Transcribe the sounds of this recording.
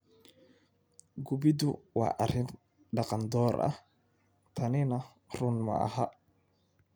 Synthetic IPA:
ɡʊbɪd̪ʊwɑ̰ːʔɐrɪn | ɖɑqɑnd̪ɔːɾʔɐ̰h | t̪ʰɐnɪnɐ | rʊnmɐ̰ʔɐ̰ɦa̰

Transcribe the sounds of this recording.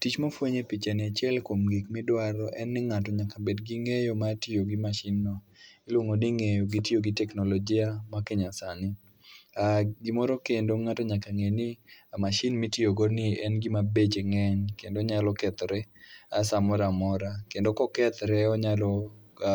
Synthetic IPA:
tit͡ʃmofwoɲepit͡ʃanɪat͡ʃjɛlkomɡikmɪdwaɾɔʔɛnːɪŋatɔɲakabedɡiŋejomatioɡimaʃɪnːɔ | ɪlwoŋoniŋejoɡitjoɡɪtɛknolɔd͡ʒɪamakeɲasanɪ | aɡimɔɾɔkendoŋatɔɲakaŋenɪamaʃɪnmitioɡɔnɪɛnɡimabet͡ʃeŋɛɲkendoɲalɔkɛt̪ɾɛasamɔɾamɔɾakendokɔkɛt̪ɾɛɔɲalɔ

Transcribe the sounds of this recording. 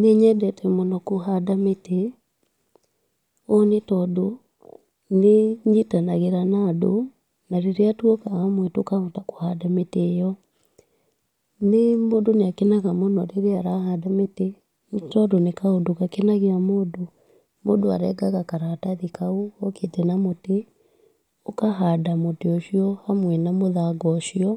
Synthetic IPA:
neɲɛdɛtɛmɔnɔkoɦadamete | onetɔdo | neɲitanaɣeɾanado | naɾeɾeatwɔkaamwetokaɣotako̥hadametejɔ | nemondoneakenaɣamonɔɾeɾeaɾahadamete | t͡ʃɔdonekaodoɣakenaɣeamoːdo | modoa̰ɾɛ̰ɡaɣakaɾataðikaoɔketɛnamote | okaɦadamoteɔʃiɔhamwɛnamoðaɡɔʃiɔ

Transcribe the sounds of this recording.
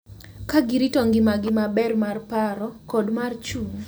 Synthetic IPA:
kaɡiɾitɔŋɡɪmaɡɪmabɛrmarpaɾɔkɔdmart͡ʃuŋ

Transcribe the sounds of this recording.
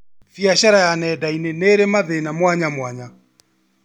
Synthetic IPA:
fiaɕaɾajanɛːdaineneɾemaðenamwaɲamwaɲa

